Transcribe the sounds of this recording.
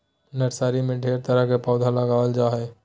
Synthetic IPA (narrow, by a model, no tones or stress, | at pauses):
nəʈsaːɾimẽɖʱeːɾt̪əɾəɦkepɔːd̪ʱaləɡaəld͡ʒaːɦɛː